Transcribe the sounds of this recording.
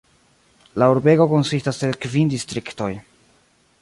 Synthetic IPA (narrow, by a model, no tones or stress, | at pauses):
lauɾbe̞ɡo̞ko̞nsistaselkvindistɾikto̞j